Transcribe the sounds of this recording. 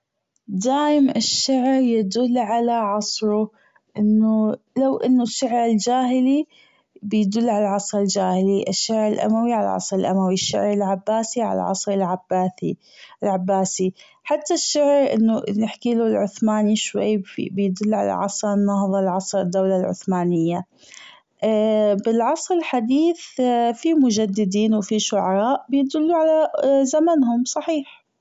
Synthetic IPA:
d̪aːʔɪmɪʃːaʕɾjad̪ʊlːʕalaʕɑsˤɾʊ | ʔɪnːʊlawʔɪnːʊʃːaʕɾɪld͡ʒaːhɪli | bɪjd̪ʊlːʕalaʕɑsˤɾɪld͡ʒaːhɪliʔɪʃːaʕɾɪlʔa̰mawiʕala̰ʕɑ̰sˤɾɪlʔa̰mawiʃːa̰ʕɾɪlʕabːaːsiʕa̰la̰ʕɑ̰sˤɾɪlʕabaːθ | lʕabːaːsi | ħat̪ːaʃːaʕɾʔɪ̰nːʊʔɪðnɪħkiːlʊlʕʊθmaːniʃwa̰jːibɪjd̪ʊlːʕa̰la̰ʕɑ̰sˤɾnːɑhðˤɑlʕɑsˤɾɪd̪ːawlalʕʊ̰θmaːnɪjːa | ʔbɪlʕɑsˤɾɪlħad̪iːθfimʊʒad̪ːɪd̪iːnwfiʃʊʕɑɾˤɑːʔbɪjd̪ʊlːuʕalazamanɦʊmsˤɑħiːħ

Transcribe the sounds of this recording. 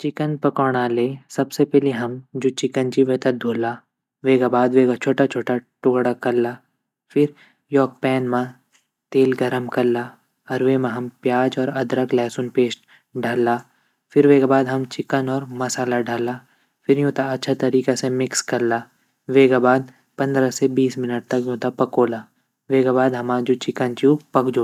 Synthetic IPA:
t͡ʃɪkənpɐkɔːɽ̃aːleːsɐbsepɛɦleɦɐmd͡ʒoːt͡ʃɪkənd͡ʒiʋeːt̪ɐd̪ʱoːlaː | ʋeːɡabaːd̪ʋeːɡat͡ʃʰoːʈat͡ʃʰoːʈaʈʊɡɽakɐɾlaː | fɪɾ | jɔːk̚pɛːnmã | t̪eːlɡɐɾəmkɐɾlːaː | ɾʋeːmãɦɐmpjaːd͡ʒɔːɾɐd̪ɾəklɛːsʊnpeːsʈ | ɖʱalːaː | fʰɪɾʋeːɡabaːd̪ɦɐmt͡ʃɪkənɔːɾmɐsaːlaɖʱalaː | fʰɪɾjõːt̪aɐtːʃʰat̪ɐɾiːkesemɪkskɐɾlaː | ʋeːɡabaːd̪̚ | pɐ̃nd̪ɾasebiːsmɪnəʈ̚t̪ɐkjõːt̪apɐkoːla | ʋeːɡabaːd̪ɦɐmad͡ʒot͡ʃɪkənt͡ʃupɐkd͡ʒoː

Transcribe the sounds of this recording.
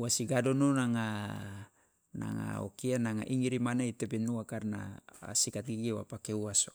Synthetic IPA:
uasiɡadononaŋa | na̰ŋa̰o̰kianaŋa̰ʔiŋiɾimanaitebenuakarna̰sikat̪̚ɡiɡewa̰pakeuaso

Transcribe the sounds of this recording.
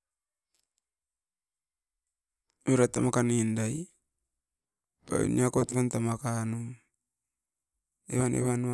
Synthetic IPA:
eɾat̪ːamakanindaj | pa̰ḭniakotβantamakanu | ḛβanʔḛβan

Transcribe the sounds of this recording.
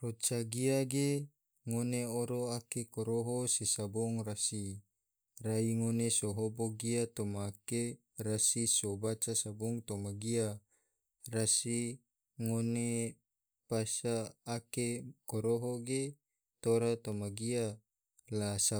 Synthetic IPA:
rot͡ʃaɡiaɡe | ŋoneoɾoakekoɾoɦosesabɔŋrasi | raiŋonesoɦoboɡiat̪omaːke | rasisobat͡ʃasabɔŋt̪omaɡia | rasi | ŋone | pasaːkekoɾoɦoɡe | t̪oɾat̪omaɡia | lasa

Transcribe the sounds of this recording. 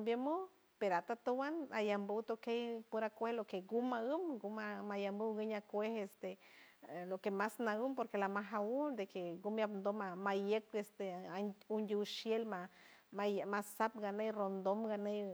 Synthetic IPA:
bjamu | peɾoat̪at̪owanajambuwt̪okejpuɾakʷehlokeɡumaɨmɡumamajambuwɡəɲakʷehest̪e | lokemasnaɨmpoɾkelamaɦaud̪ekeɡumjapnd̪omamajekest̪eund̪ʲuwʃjelma | mamasap̚ɡanejrond̪omɡanej

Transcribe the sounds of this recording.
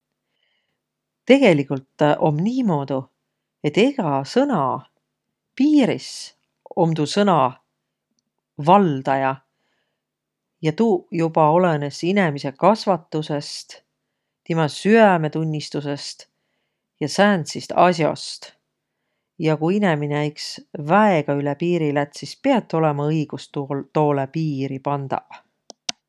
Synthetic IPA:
t̪e̞ɡ̥e̞likult̪ˑʔo̞mːniːmo̞ːd̪̥u | e̞t̪ːeɡ̥ɑsɤnɑ | piːɾis | o̞mt̪usɤnɑ | vɑld̪̥ɑjɑ | jɑt̪uːjubɑo̞le̞ne̞sine̞mise̞kɑsvɑt̪ːˑuse̞st̪ | t̪imɑsyæme̞t̪unʲːist̪use̞st̪ | jɑsæːnt̪sist̪ɑ̰sjo̰st̪ | jɑkuine̞mineæiksvæeɡ̥ɑylepiːɾilæt̪sispeɑt̪ːˑo̞lemɑɤjɡ̥ust̪t̪o̞ːlepiːɾipɑnd̪̥ɑ̰

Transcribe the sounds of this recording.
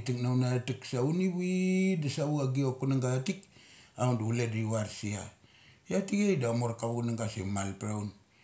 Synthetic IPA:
tik̚nawnatiksauniwidasauaɡiokunaŋɡatik̚aunduulediwaɾsia̰ | jatikejdamoɾkaβunaŋɡasḛmalpɾaun

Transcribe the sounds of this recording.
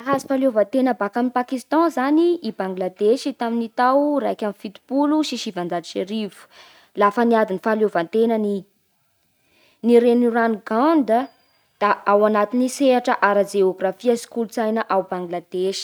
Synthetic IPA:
aɦazi̥faljovənt̪enəbakaminpakist̪ɑ̃zaniːbãŋɡlad̪eʃit̪aminit̪awrajkʲamifit̪i̥puluʃiʃivãnd͡zad͡ziʃeɾivu̥ | lafəniad̪inifaljovant̪enəni | niɾenuɾanɡãnd̪ə | d̪̥aawanat̪iniseaʈ͡ʂəʔaɾəd͡ʒeoɡrafiasi̥kulut͡sajnəʔawbãŋɡlad̪̥eʃi̥

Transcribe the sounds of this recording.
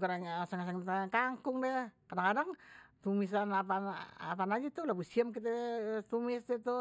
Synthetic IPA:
kaɾaŋsəŋasaŋt̪aŋkaŋkʊŋdɛkadaŋkadaŋt̪umis̬anapaa̰panad͡ʒat̪ulabusiəmk̬it̪ɛt̪umɪsdɛt̪u

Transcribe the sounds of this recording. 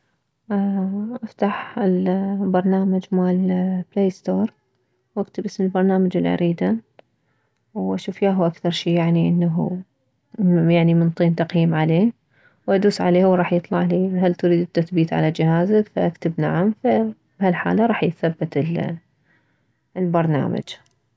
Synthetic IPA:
ʔʔaft̪aħɪlbɑɾˤnaːmad͡ʒmaːlbleːst̪oːɾˤ | wʔakt̪ɪbʔɪsmɪlbɑɾˤnaːmad͡ʒɪ̰lʕa̰ɾiːd̪a | wʔaʃuːfjaːɦuʔakθɑɾˤʃiːjaʕniʔɪnːaɦṵ | jaʕnimɪnt̪ˤiːnt̪ɑqjiːmʕaleː | wʔad̪uːsʕaleːhʊwɾˤɑːħjɨt̪ˤlɑʕliɦalt̪ʊɾiːd̪ɪt̪ːaθbiːt̪ʕa̰lad͡ʒɪhaːzakfaʔakt̪ɪbna̰ʕamfa | b̥halħa̰ːlaɾˤɑːħjɪθabːɪt̪ɪl | lbɑɾˤna̰ːma̰d͡ʒ

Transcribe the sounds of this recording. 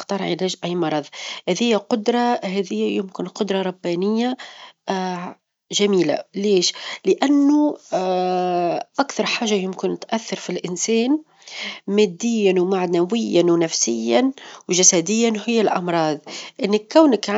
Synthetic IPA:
qt̪ɑːɾˤʕɪ̰lɛːʒʔæjmɑɾˤɑðˤhæðɪjːæqʊd̪ɾˤɑhɛðɪjːæjʊmkɪnqʊd̪ɾˤɑɾˤɑbːæːnɪjːa | ʒæmiːla̰leːʃlɪʔænːu | ʔakθɑɾˤħaːʒːajʊmkɪnt̪ʔæθːɑɾˤfilʔɪnsɛːn | mæːd̪ːɪjːanwmaʕd̪nawɪjːanwnæfsɪjːanwʒasæd̪ɪjːanɦɪjːalʔɑ̰mɾˤɑːd̪ˤʔɪnːɪkːæwnɪkʕ

